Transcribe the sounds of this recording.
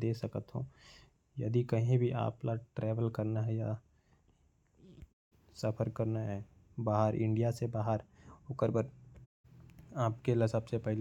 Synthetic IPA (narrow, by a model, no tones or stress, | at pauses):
d̪eːsɐkət̪ɦõ̰ː | jɐ̰d̪ikɐɦĩbʱiʔa̰ːplaʈɾɛːʋəlkɐɾnaɦɛja | sɐpʰəɾkɐɾnaɦɛ | baːɦəɾɪ̰̃ɳɖijasebaːɦəɾʊkəɾbəɾ | aːp̚kelɐsɐbsepɛɦl